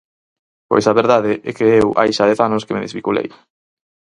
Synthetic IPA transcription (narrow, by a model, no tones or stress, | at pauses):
po̰jsaβeɾðaðɪʔɛkeewʔa̰jʃaðɛθanʊskemeðezβikulḛj